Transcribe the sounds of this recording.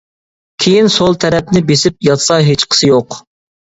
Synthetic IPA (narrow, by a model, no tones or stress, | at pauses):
kʲʰejinsolˠt̪ʰɛɾɛp̚nɪbesɪp̚jɑt̪sɑɦet͡ʃqʰə̥sɨjoq